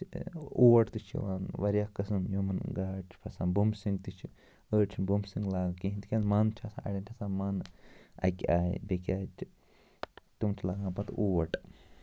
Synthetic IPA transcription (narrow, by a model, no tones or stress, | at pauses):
uːʋɐʈt̪ɨt͡ʃʰḭʋaːnʋɐɾjaːkɐsɨnjomɐnɡaːt͡ʃʰpʰɐsaːnbumsiŋɡt̪ɨt͡ʃʰi | əːt͡ʃʰibumsiŋɡlaːɡkiɦint̪ikʲaːnmaːnt͡ʃʰɐsã̰ːʔɐ̰ɽʲent̪ʰʲɐsaːmaːnɐ̰kʲaːjbekʲaːt͡ʃʰ | t̪umt͡ʃʰilaːɡãːpɐt̪uːʋɐʈ